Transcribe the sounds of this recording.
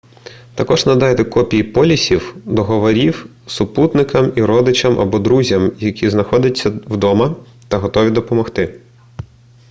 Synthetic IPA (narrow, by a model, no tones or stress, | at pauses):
t̪ɐkɔʒnɐd̪ɑjt̪ɛkɔpʲijipɔlʲisʲiwd̪ɔɦɔʋɔɾʲiw | sʊput̪nɪkɐmiɾɔd̪ɪt͡ʃɐmʔɐ̰bɔd̪ɾuzʲɐmjɐkʲiznɐxɔd̪ʲɐt͡sʲːɐwd̪ɔmɐ | t̪ɐɦɔt̪ɔʋʲid̪ɔpɔmɔxt̪ɪ